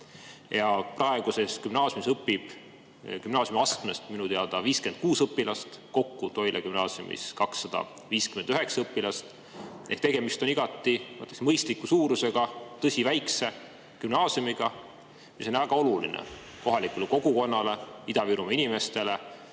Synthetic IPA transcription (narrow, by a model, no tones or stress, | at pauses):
jɑprɑe̞ɡ̥use̞skymnɑːsjumisɤpːib̥ | kymnɑːsʲjumɑsknest̪minut̪eɑd̪ɑviːskent̪̚kuːsɤpːilɑst̪ko̞kːut̪o̞jlʔekymnɑːsiṵmḭskɑksːɑd̪̥ɑ̰ | viːskymend̪yɦe̞ksɑɤpːˑilɑst̪ | ʔeht̪e̞ɡ̥e̞mist̪o̞niɡ̥ɑt̪ˑːimɤt̪ːˑesmɤjst̪likːˑusuːɾuse̞ɡ̥ɑt̪ɤsʲivæjkse̞ | kymnɑːsjumiɡ̥ɑ | miso̞nʲvæɡ̥ɑo̞lulḭnḛ | ko̞ɦɑlikuleko̞ɡuko̞nːɑle̞id̪ɑviɾumɑinime̞st̪e̞le̞